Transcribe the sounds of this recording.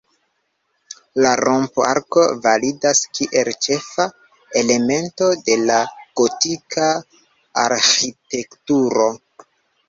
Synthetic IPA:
laɾʔompa̰ɾko̞validaskiʔe̞lt͡ʃe̞fa | ele̞me̞nto̞de̞laɡ̥o̞tikʰa | aɾxite̞ktuɾo̞

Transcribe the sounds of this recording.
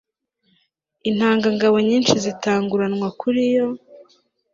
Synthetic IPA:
inhaːŋɡaŋɡaβo̞ɲiːnʃizitʰaːŋɡuɾanŋwakuɾijo̞

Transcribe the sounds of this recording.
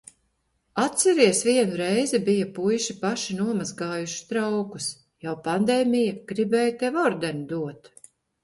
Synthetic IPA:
at̪sɛɾiɛsviɛnuɾɛjzɛbijɐpujʃipaʃinuɔmazɡaːjuʃi̥st̪ɾawku̥s | jawpand̪eːmʲijɐɡ̥ɾibɛːjt̪ɛvɔɾd̪ɛnud̪uɔt̪

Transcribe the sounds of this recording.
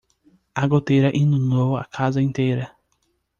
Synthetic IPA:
aɡot̪ejɾɐʔĩnũnd̪owa̰kʰazɐĩnt̪ejɾɐ

